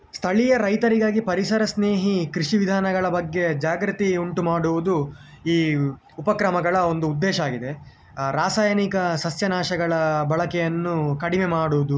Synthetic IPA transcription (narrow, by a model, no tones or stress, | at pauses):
st̪ʰɐɭijɐɾɐjt̪ɐɾiɡaːɡipɐɾisɐɾɐsneːɦikɾiʂiʋid̪ʱaːnɐɡɐɭɐbɐɡːe̞d͡ʒaːɡɾut̪iuɳʈumaːɽuʋud̪u | iː | upɐkɾɐmɐɡɐɭɐond̪uːd̪ːɛːʃɐaːɡid̪e̞ | ɾaːsaːjɐnikɐsɐsjɐnaːʃɐɡɐɭɐbɐɭɐkɛjɐnːukɐɽimemaːɽuʋud̪u